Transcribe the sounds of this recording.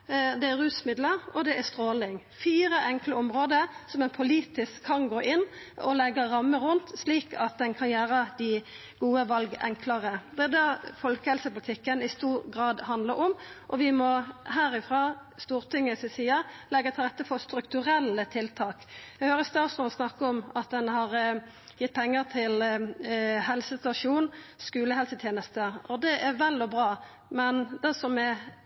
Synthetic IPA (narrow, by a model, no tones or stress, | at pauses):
d̪ɛæʁʉːsmɪd̪ləɾɔd̪ɛʔæst̪ɾoːlɪŋ | fiːɾəʔɛŋkləɔmʁoːd̪əsɔmɛnpʰʊliːt̪ɪskʰːɑnɡoːʔɪnː | ɔlɛɡɑʁɑmːəɾʊnt̪sliːkɑt̪̚d̪ɛnkʰɑnjæːɾəd̪ɪ | ɡ̥uːəʋɑlɡɛŋkʰlɑʁəd̪ɛd̪ɑfɔlkəhɛlsəpʊlɪt̪ʰɪkːənɪst̪uːɾɡʁɑːd̪hɑnd̪ləʔɔmʔɔʋɪmɔɦæːɾɪfʁɑːst̪uːʁt̪ʰɪŋːəsɪsiːɑlɛɡːət̪ʰɪlʁɛt̪ːəpʰɔst̪ɾʉkt̪ʉɾɛlːət̪ʰɪlt̪ʰɑːkæhøːɾəst̪ɑːsmɔɔsnɑkːəɔmɑt̪̚d̪ɛnhɑɾ | jɪt̪̚ːpʰɛŋːəɾt̪ʰɪl | hɛlsəst̪ɑʂuːnskʉːləhɛlsət̪ʰjeːnəst̪əɔd̪ɛʔæɾʋɛlːɔbɾɑː | mɛnd̪ɛsɔmɛ